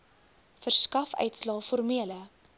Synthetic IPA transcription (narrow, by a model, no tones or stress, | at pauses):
fərskɐfœ̰ɥtslɑːfɔrmiələ